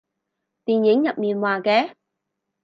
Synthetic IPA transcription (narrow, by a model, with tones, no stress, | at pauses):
t̪iː˨˩njɪ˨˥ŋjɐ˨p̚miː˨˩nwaː˨˩kɛː˨˥˦